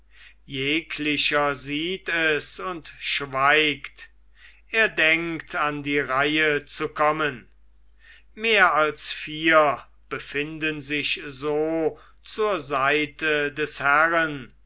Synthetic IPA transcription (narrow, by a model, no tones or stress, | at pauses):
jeːkʰlɪɕɐziːtɛsʊntʃvaɪkt | ʔeːɐdɛŋktʰandiːʁajət͡sukʰɔmən | meːɐalsfiːɐ | b̥əfɪndənzɪʃzoː | t͡suːɐzaɪtədɛshæʁən